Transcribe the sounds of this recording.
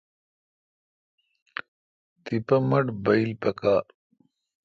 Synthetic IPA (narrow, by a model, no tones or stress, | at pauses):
t̪ipɐmɐʈbɐilpɐkaː